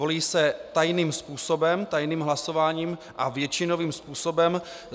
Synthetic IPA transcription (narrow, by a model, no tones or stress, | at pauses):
oliːsɛt̪ajniːmspuːsobɛmt̪ajniːmɦlaso̞vaːɲiːm | ʔavjɛt͡ʃɪno̞viːmspuːso̞bɛm